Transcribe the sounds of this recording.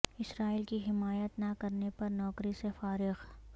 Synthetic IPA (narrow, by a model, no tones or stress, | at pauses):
ɪsɾaːiːlkiɦɪmaːjət̪nakɐɾnepɐɾnɔːkɾisefaːɾɪɣ